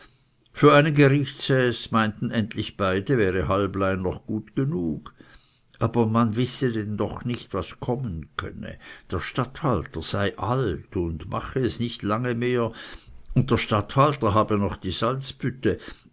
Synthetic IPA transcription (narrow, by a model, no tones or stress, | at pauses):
fyːɐaɪnənɡəʁɪçtshɛsmaɪntn̩ɛntlɪçb̥aɪdəvɛːʁəɦalblaɪnːɔχɡ̥uːtɡ̥ənuːk | ʔaːbɐmanvɪsədɛndɔχnɪçtvaskʰɔmənkʰœ̰nə̰d̥eːɐʃtathaltəz̥aɪʔaltʊndmʔa̰χəɛsnɪçtlaŋəmeːɐʊnt̚d̥eːɐʃtathaltəɦaːbənɔχd̥iːzalt͡sb̥ʏtə